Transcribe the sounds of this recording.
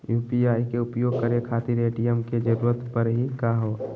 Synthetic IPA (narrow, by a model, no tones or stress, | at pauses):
juːpiaːjikeʊpjoːɡ̚kəɾekʰaːt̪iɾeːʈijəmked͡ʒəɾuːɾət̪pəɾɦikaɦoː